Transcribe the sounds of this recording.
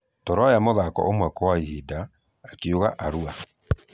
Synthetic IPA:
tɔɾɔjamoðakɔ̰ʔomwɛkɔwaihidaː | keoɣaʔaɾua

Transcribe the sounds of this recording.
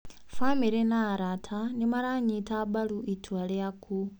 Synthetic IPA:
famiɾenaːɾatʰanimaɾaɲitʰaːbaluʔitʰwaleakʰu

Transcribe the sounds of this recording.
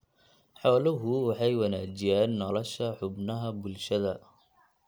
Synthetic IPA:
ħɔːlɐɦʊwɑħɑjwɐnaːd͡ʒɪjaːnːɔlɔʃɐħʊbnɐɦɐbʊlʃɐðɐ

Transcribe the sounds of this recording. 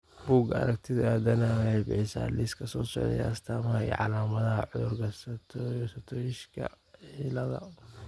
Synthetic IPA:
b̥uːɡɐ̰ɾɐkt̪ʰɪðaːd̪ɐnɐwhɛjbɪħɪsa̰liskʰɐsɔːsɔ̰ʕðɛ̰j̰ɐst̪ʰaːmɐhɐḭʕɑ̰laːmɐðɐɦɐ̰ʕʊðʊrkʰɐst̪ʰːsɐt̪ʰɔːjɪʃkʰɐ̰ | ħilɐðɐ̰

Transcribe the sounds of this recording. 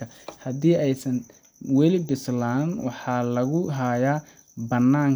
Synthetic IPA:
ɐ | hɐðiːɛjsɐn | wɛlɪbɪslaːnwɑ̰ħɑːlɐɣʊɦaːjaː | bɐnːaːŋ

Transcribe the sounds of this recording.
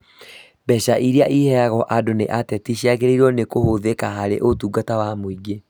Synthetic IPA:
bɛɕaʔiɾeaʔihɛaɣɔʔadonḛʔatɛtiɕiaɣeɾeɾɔnekohoðekaɦaɾḛʔotuːɡatawamoiɡe

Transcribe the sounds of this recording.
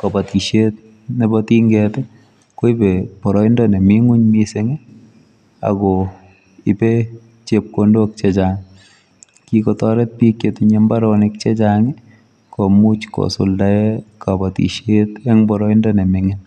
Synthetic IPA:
kabatiʃet̚ | nebɔtiŋɡɛtɛ | koibepɔɾɔindɔnemɪŋuɲmisɪŋɪ | a̰ɡɔ | ipe | t͡ʃep̚kondok̚t͡ʃɛt͡ʃaŋ | kikɔtɔɾɛt̚pikjetɪɲɛmbaɾɔnɪk̚t͡ʃɛt͡ʃaŋɪ | kɔmut͡ʃkɔ̰sʊ̰ldaɛkabatḭʃetɛŋbɔɾɔindɔnɛmɪŋɪn

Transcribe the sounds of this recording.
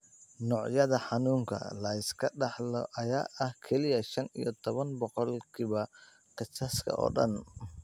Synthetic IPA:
nɔːʕjɐðɐħɑnuːŋkʰɐ̰lɐɪskʰɐɗɑħlɔ̰ʔɐjaːʔɐhkʰɛlɪjɐʃɐnḭjɔt̪ʰɔβɐnbɔqɔlkʰiβɐ | qɪsɐskʰɐ̰ʔɔ̰ːɗɐ̰n

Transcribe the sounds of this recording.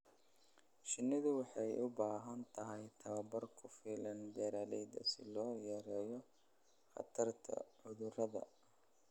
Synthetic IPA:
ʃɪnːɪðʊwɑħɑjʊbaːɦɐnt̪ʰɐɦɛjt̪ʰɐβɐbɐrkʰʊfiːlɐnd̪ɛːɾaːlɛjd̪ɐ̰sɪlɔːjɛɾɛːjɔ | χɐ̰t̪ʰɐrt̪ʰɐ̰ʕʊðʊrɐðɐ̰

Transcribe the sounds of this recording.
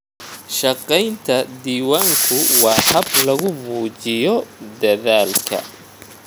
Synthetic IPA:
ʃɐqɛjnt̪ʰɐd̪iːwaːŋkʰʊwɑːhɐblɐɣʊmuːt͡ʃɪjɔd̪ɐðaːlkʰɐ̰

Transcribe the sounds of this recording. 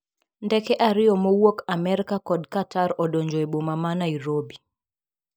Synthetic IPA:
ndɛkɛʔaɾɪjɔmowɔkamɛɾikakɔdkataɾɔɗɔɲd͡ʒɔɛɓomamanaiɾobi

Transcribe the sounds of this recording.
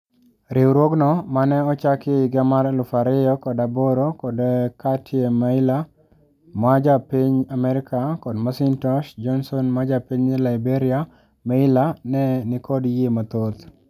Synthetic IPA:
ɾɪwɾwoɡnɔmanɛɔt͡ʃakɪɪɡamaɾlʊfaɾɪjɔkɔdaboɾokɔdkatiemaɪla | mad͡ʒapiɲamɛɾɪkakɔdmasɪntɔʃd͡ʒɔnsɔnmad͡ʒapiɲilaɪbeɾɪa | maɪlanɛnɪkɔdjemat̪ot̪

